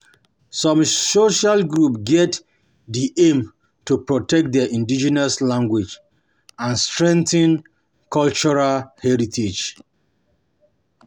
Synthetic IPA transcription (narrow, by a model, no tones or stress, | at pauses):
sɔ̃msoʃalɡɹupɡɛt | diʔẽm | tupɹɔtɛk̚t̚dɛʔĩndid͡ʒɛnaslãŋɡwid͡ʒ | ãnstɹɛ̃ntĩn | kʰɔlt͡ʃɔɹalhɛɹitʰed͡ʒ